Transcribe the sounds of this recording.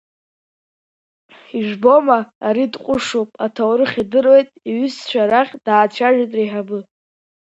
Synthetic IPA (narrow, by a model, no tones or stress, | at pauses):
iʐbo̞maːɾidqʷʼʊʂopʼatʰawɾɨχʲidɨrojtʼiɥʏst͡ʃʷᶣaɾaχʲd̥aːt͡ʃʷʰaʒᶣatʼriħabɨ